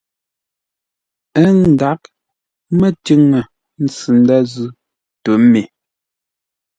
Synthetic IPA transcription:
ɛ˦n̩˨da˨˦k̚ | mɛ˦ti˦ŋə˨ | n̩˨t͡sɨ˨n̩˦da˦zʉ˦ | tu˨˦me˨

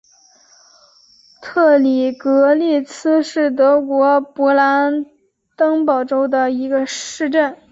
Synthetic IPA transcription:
t̪ʰɤ˥˩li˨˩kɤ˧˥li˥˩t͡sʰɹ̩˥ʂɻ̩˥˩t̪̬ɤ˧˥kwɔ˧˥pɔ˧˥la˧˥n | t̪ɤ˥ŋpɑ˨˩ʊʈ͡ʂo˥ʊd̪ə˨i˧˥ɡə˧ʂɻ̩˥˧ʈ͡ʂə˥˩n

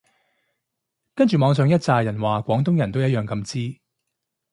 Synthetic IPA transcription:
kɐ˥nt͡ʃyː˨˩mɔː˨˧ŋs̬œː˨˧ŋjɐ˥t̚t͡saː˨jɐ˨˩nwaː˨kʷɔː˨˥ŋt̪ʊ˥ŋjɐ˨˩nt̪o˥wjɐ˥jœː˨˩ŋkɐ˧mt͡siː˥

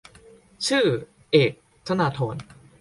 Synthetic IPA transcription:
t͡ɕʰɯː˥˩ | ʔeː˨˩k̚ | t̪ʰa˧naː˧t̪ʰoː˩˦n

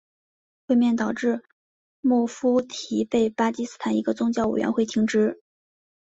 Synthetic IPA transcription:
xwe˥˧ɪmjɛ˥˩nt̪ɑ˨˩ʊʈ͡ʂɻ̩˥˧ | mu˥˩fu˥t̪ʰi˧˥pe˥˩ɪpa˥t͡ɕi˥sɹ̩˥t̪ʰa˨˩ni˧˥ɡə˧t͡sʊ˥ŋt͡ɕjɑ˥˩ʊwḛ˨˩ɪɥʔɛ̰˧˥nxwe˥˩ɪt̪ʰi˧˥ŋʈ͡ʂɻ̩˥

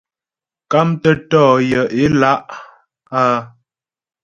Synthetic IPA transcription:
ka˦mtə˦tɔː˦˨jə˨ʔe˦la˦ʔ | a˦

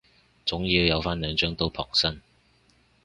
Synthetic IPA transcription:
t͡sʊ˨˥ŋji˨˧wjɐ˨˧wfaː˥nlœː˨˧ŋt͡ʃœː˨˥ŋt̪o˥wpʰɔ̰ː˨˩ŋsɐ˥n

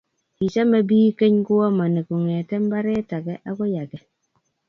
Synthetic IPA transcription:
i˨t͡ʃa˦ma˦biː˦ke˦ɲku˦wa˦ma˨ne˨ku˨ŋɛ˨tɛ˦m˦ba˦ɾe˦ta˨ɡɛ˦ʔa˦kɔ˦ja˨ɡɛ˨

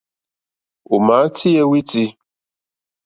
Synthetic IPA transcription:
o˨ma˨˦tʰi˦ɛ˦wi˦ti˧

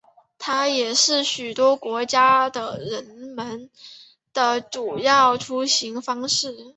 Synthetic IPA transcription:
t̪ʰa˥jɛ˨˩ʂɻ̩˥˩ɕy˨˩t̪wɔ˥kwɔ˧˥t͡ɕja˥d̪ə˨ɻə˧˥nmə˧˥n | d̪̥ə˨ʈ͡ʂu˨˩jɑ˥˩ʊʈ͡ʂʰu˥ɕi˧˥ŋfɑ˥ŋʂɻ̩˥˩

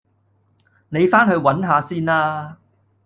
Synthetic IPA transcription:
ne˨˧jfaː˥nɦɵ˧ɥwɐ˨˥nɦaː˨˧siː˥naː˥

